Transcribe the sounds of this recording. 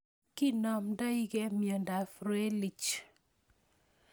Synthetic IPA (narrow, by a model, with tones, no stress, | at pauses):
ki˦nɔ˨mda˦i˦ɡe˦mjə˨nda˨fɾe˦li˨t͡ʃ